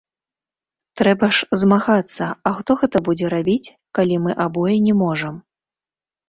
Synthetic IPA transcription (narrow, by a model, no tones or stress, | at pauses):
t̪ɾɛbɐʂzmaɣat̪sːɐɐxt̪ɔɣɛt̪ɐbud͡zʲɛɾabʲit͡sʲ | kalʲimɨʔabɔjɛnʲɛmɔʐɐm